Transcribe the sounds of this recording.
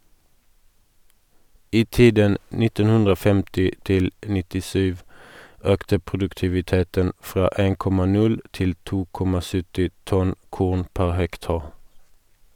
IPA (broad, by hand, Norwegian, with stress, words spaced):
ˈiː ˈtiːdən ˈnɪtən ˈhʉndʁ ˈoː ˈfɛmtɪ ˈtɪl nɪtɪˈsyːʋ ˈøːktə pʁʊdʉktɪʋɪˈteːtən ˈfʁɑː ˈeːŋ ˈkɔmɑ ˈnʉl ˈtɪl ˈtuː ˈkɔmɑ ˈsʏtɪ ˈtɔn ˈkʊʁn ˈpæʁ ˈhɛkˌtɑːʁ